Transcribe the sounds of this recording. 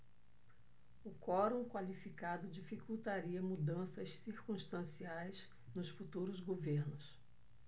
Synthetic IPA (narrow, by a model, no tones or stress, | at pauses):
ʊkɔɾõkwalifikad̪ʊd͡ʒifikuwt̪aɾiɐmud̪ɐ̃sɐssiɾkũst̪ɐ̃siajz̥ | nʊsfut̪uɾʊzɡoveɾnʊs